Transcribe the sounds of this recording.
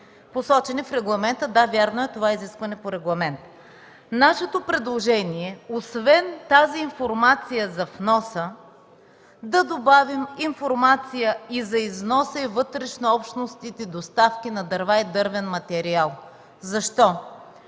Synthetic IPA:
posɔt͡ʃɛnɛfɾɛɡlˠɐmɛnt̪əd̪avʲjaɾnoɛt̪ovaiziskvɐnɛpoɾɛɡlˠɐmɛnt̪ | naʃɛt̪opɾɛd̪lˠoʒɛniɛosvɛnt̪aziːnfoɾmat̪sijəzɐfnɔsə | d̪ɐd̪obaviminfoɾmat̪sijəizɐiznɔsəivɤt̪ɾɛʃnoɔpʃt̪nost̪it̪ɛd̪ost̪afkʲinɐd̪ɐɾvaid̪ɤɾvɛnmɐt̪ɛɾialˠ | zɐʃt̪ɔ

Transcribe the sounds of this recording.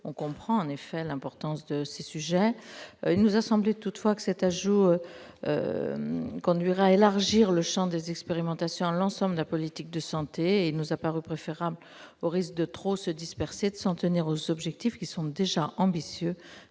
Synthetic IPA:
ɔ̃kɔ̃pχɑ̃ɑ̃nefɛlɛ̃pɔʁt̪ɑ̃sd̪əsesyʒɛilnuzasɑ̃blet̪ut̪fwakə̥sɛt̪aʒuøø̰ | kɔ̃d̪ɥiʁɛaelaʁʒiʁləʃɑ̃d̪ezɛkspeʁimɑ̃t̪asjɔ̃ɑ̃lɑ̃sɑ̃bld̪əlapɔlit̪ik̚d̪əsɑ̃t̪eilnuzapaʁypχefeʁabl | oʁisk̚d̪ət̪χosəd̪ispɛʁsed̪əsɑ̃t̪əniʁozɔbʒɛk̚t̪ifkʲisɔ̃d̪eʒaʔɑ̃bisjø

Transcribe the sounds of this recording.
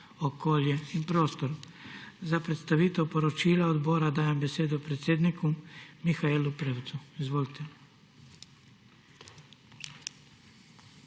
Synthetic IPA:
okoljeipɾo̞ːst̪oɾ | zapɾet̪st̪aʋit̪owpoɾot͡ʃilaod̪boɾad̪aːjembe̞seːd̪upɾet̪sʲjed̪nikumixaelupɾewt̪suizʋoːlit̪ʰe

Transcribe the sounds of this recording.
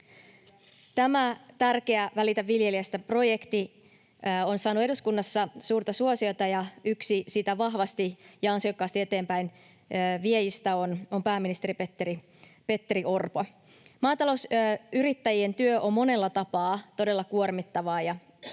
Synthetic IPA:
t̪æmæt̪ærke̞æʋælit̪æʋːilje̞liæst̪æpro̞jekt̪i | o̞nsɑːnue̞ɾuskunːɑsːɑsuːrt̪ɑsuosio̞t̪ɑjɑyksisit̪æʋɑɦʋɑst̪ijɑɑnsiokːɑːst̪ie̞t̪e̞ːmpæinː | ʋiejist̪æono̞mpæːmːinist̪e̞ɾipet̪ːeɾi | pe̞t̪ːeɾiʔo̞rpo | mɑːt̪ɑlo̞wsyɾit̪ːæjie̞nt̪yøʔo̞mːo̞ne̞lːɑt̪ɑpɑːt̪o̞de̞lːɑkuormit̪ːɑʋɑːjɑ

